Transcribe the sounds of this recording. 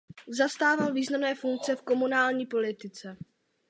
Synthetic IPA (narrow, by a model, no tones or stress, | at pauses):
zast̪aːvalviːznamnɛːfuŋk̚t͡sɛfko̞munaːlɲiːpo̞lɪt̪ɪt͡sɛ